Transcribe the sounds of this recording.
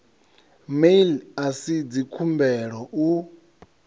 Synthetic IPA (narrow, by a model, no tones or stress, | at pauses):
melasid͡zikʰumbɛɺɔʔu